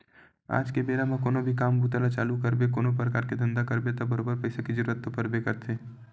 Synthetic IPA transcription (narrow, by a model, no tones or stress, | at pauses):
a̰ːd͡ʒkebeːɾamãkoːnobʱikaːmbut̪alat͡ʃaːlukəɾbek̬oːnop̬ɾəkaːɾked̪ʱə̃nd̪akəɾbet̪abəɾoːbəɾpɐɪsakid͡ʒəɾuɾət̪ːopɐɾbekɐɾt̪ʰeː